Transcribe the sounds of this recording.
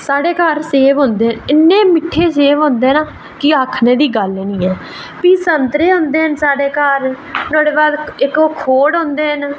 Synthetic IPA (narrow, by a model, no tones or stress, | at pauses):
saːɖeːkəɾseːʋɦõːnd̪eːnɪnːeːmɪʈʰːeːseːʋɦõːnd̪eːnaː | kɪaːkʰneːd̪iːɡəlːnĩːɛː | piːsənt̪ɾeːɦʊ̃nd̪eːɦənsaːɖeːkaɾ | t̪ɔːɽeːbaːd̪ɪkoːkʰoːɽɦõːnd̪eːɦən